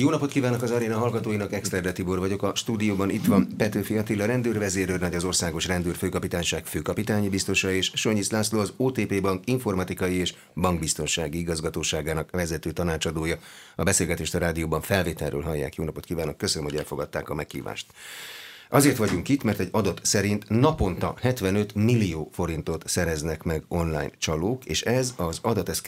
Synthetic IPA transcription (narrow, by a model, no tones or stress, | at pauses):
joːnɒpot̪kiːvaːnːɒkɒzɒɾeːnɒɦɒlɡɒt̪oːjinɒkɛkst̪ɛrd̪ɛt̪iborvɒɟo̞kɒʃt̪uːd̪ijoːbɒnit̪ʋɒmpɛt̪øːfijɒt̪ilːɒɾɛnd̪øːrvɛzeːrøːlnɒɟɒzo̞rsaːɡo̞ʃrɛnd̪øːrføːkɒpit̪aːɲʃaːkføːkɒpit̪aːɲibist̪o̞ʃɒeːʃʃoɲislaːsloːɒzoːt̪eːpeːbɒŋkiɱfo̞rmɒt̪ikɒjieːʃ | bɒŋɡbist̪o̞nʃaːɡiiɡɒzɡɒt̪oːʃaːɡaːnɒkvɛzɛt̪øːt̪ɒnaːt͡ʃɒd̪oːjɒ | ɒbɛseːlɡɛt̪eːʃt̪ɒɾaːd̪ijoːbɒɱfɛlveːt̪ɛlɾø̰ːlɦɒjːa̰ːkjoːnɒpo̞t̪kivaːnokːøsønømhoɟɛlfo̞ɡɒt̪ːa̰ːkɒmɛkhḭːva̰ːʃt̪ | ʔɒzeːrt̪ʋɒɟuŋkit̪mɛrt̪ɛɟɒd̪ɒt̪sɛɾint̪nɒpo̞nt̪ɒhɛt̪ʋɛnø̞t̪milːijoːfo̞ɾint̪o̞t̪sɛɾɛznɛkmɛɡo̞nla̰ːjnt͡ʃɒloːkḛːʃɛzɒzɒd̪ɒt̪ɛs